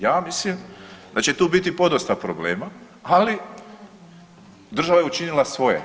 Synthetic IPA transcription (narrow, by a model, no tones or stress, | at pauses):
jaːmislimd̪at͡ɕe̞t̪uːbit̪ipo̞d̪ost̪apɾobleːma | ali | d̪ɾr̩ʒaʋajeut͡ʃinilˠasʋo̞jḛ